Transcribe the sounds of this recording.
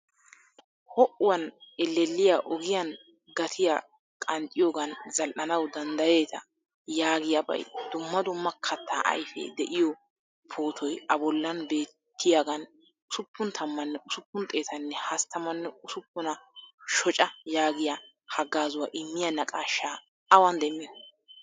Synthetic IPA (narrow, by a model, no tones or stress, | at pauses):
hɔʔʊwɐnɛlːɛlːɪjaːʔɔɡɪjɐn | ɡɐt̪ʰɪja̰ | kʼɐnt̪ʼɪjoːɡɐnzɐlʔɐnɐwd̪ɐnd̪ɐje̞ːt̪ɐ̰ | jaːɡɪjɐbɐ̰jd̪̥ʊmːɐd̪ʊmːɐkʰɐt̪ʰːaːʔɐ̰jfḛːd̪ɛʔɪjɔ | pʰo̞ːt̪ʰɔjɐbɔlːɐnbe̞ːt̪ːɪjaɡɐn | ʊsʊpːʊnt̪ʰɐmːɐnːɛʔʊsʊpːʊnt̪ʼe̞ːt̪ɐnːɛhɐst̪ːɐmɐnːɛʊsʊpːʊnɐʃɔt͡ʃʼɐjaːɡɪjɐ | hɐɡːaːzʊwɐʔɪmːɪjɐnɐkʼaːʃːaː | ɐwɐnd̪ɛmːɪ